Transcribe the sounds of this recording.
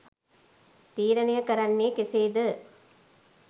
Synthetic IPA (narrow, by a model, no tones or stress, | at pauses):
t̪iːɾɐnɪjɐkɐɾɐnːikɪseːd̪ɯ